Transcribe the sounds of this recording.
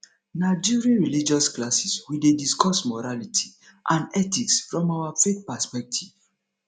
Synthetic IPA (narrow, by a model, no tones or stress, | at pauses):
naɪd͡ʒiɹiɹilid͡ʒɔsklasiswidediskɔsmɔɹalitʰi̥ | ʔãnɛtiksfɹɔ̃mawafeθpɛspɛk̚tʰiv